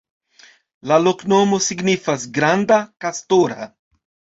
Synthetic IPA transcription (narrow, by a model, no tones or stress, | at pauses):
laloknomosiɡnifasɡɾand̪akast̪oɾa̰